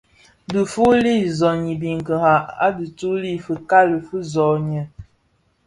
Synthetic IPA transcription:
də˨fu˦li˦˨zɔ˨ɲi˨bi˨ŋ˨kə˨ha˨a̰˦di˨tu˦li˦˨fə˨ka˦lə˨fə˦zɔ˨ɲɛ˨

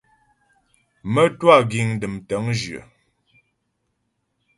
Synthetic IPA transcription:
mə˦twa˦˨ɡi˨ŋdə˨mtə˨˦ŋd͡ʒɥə̰˨

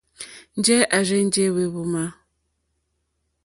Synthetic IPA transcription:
n̩˦d͡ʒɛ˦ʔa˨ɾɛ˦n̩˦d͡ʒe˦we˨βu˨˦ma˦

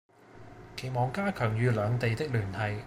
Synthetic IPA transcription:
kʰe˨˩jmɔː˨˩ŋkaː˥kʰœː˨˩ŋjyː˨˧lœː˨˧ŋt̪e˨jt̪ɪ˥k̚lyː˨˩nhɐ˨j

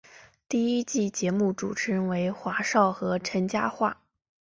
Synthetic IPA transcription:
t̪i˥˩i˥t͡ɕi˥˩t͡ɕjɛ˧˥mu˥˩ʈ͡ʂṵ˨˩ʈ͡ʂʰə˧˥ŋwe˧˥ɪxwa˧˥ʂɑ˥˩ʊxɤ˧˥ʈ͡ʂʰə˧˥nt͡ɕja˥xwa˥˩

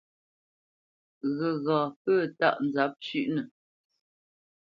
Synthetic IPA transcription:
ɣə˨ɣaː˨pəː˦˨ta̰˦ʔn˨d͡za˨˦p̚t͡ʃʉ˦˨ʔnə˨

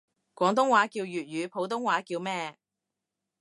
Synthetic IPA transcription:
kʷɔː˨˥ŋt̪̬ʊ˥ŋwaː˨˧˥kiː˧wjyː˨t̚jyː˨˧pʰo˨˧˥wt̪ʊ˥ŋwaː˨˥kiː˧wmɛː˥

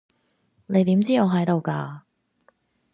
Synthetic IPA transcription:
ne˨˧jt̪iː˨˥mt͡siː˥ŋɔː˨˧ɦɐ˨˥jt̪o˨˧wkaː˧

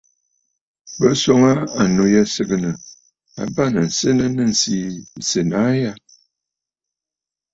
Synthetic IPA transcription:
bə˦sɔ˦ŋa˦a˨no˨ja˦sə˦ɡə˨nə˨ | a̰˨ba˦˨nə˨n̩˨sə˦nə˦nə˦n̩˨si˦n˨sə˨na˨˦ja˦

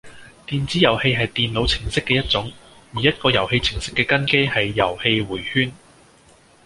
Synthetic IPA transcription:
t̪iː˨nt͡siː˨˥jɐ˨˩whe˧jɦɐ˨jt̪iː˨nlo˨˧wt͡sʰɪ˨˩ŋsɪ˥kːɛː˧jɐ˥t̚t͡sʊ˨˥ŋ | jiː˨˩jɐ˥t̚kɔː˧jɐ˨˩whe˧jt͡sʰɪ˨˩ŋsɪ˥kːɛː˧kɐ˥nke˥jhɐ˨jːɐ̰˨˩whe˧jwuː˨˩jhyː˥n

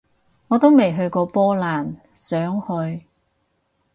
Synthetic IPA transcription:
ŋɔː˨˧t̪o˥wme˨jɦɵ˧ɥkɔː˧pɔː˥laː˨˩n | sœː˨˥ŋhɵ˧ɥ

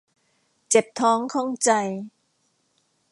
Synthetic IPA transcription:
t͡ɕe˨˩p̚t̪ʰɔː˦˥ŋkʰɔ˥˩ŋt͡ɕa˧j

